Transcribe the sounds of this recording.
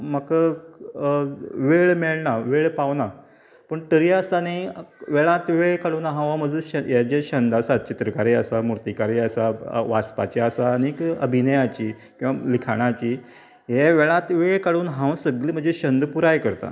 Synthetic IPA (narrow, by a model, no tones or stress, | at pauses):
məkə | ʋeɭmeɭnaʋeɭpaʋna | pəɳʈəɾiəst̪aneʋeɭãt̪ʋeɭkaɽuːnɦãʋaməd͡zəɕəjed͡ʑeɕənd̪aɾsat͡ɕit̪ɾəkaɾiəsamuɾt̪ikaɾiəsaʋaspat͡ɕeasaːnikə̰bʱinəjat͡ɕiː | kĩw̃ʋalikʰaɽ̃at͡ɕiː | ɦɛʋeɭãt̪ʋeɭkaɽuːnɦãʋsəɡliːm̤əɳd͡zeɕənd̪puɾajkəɾt̪a̰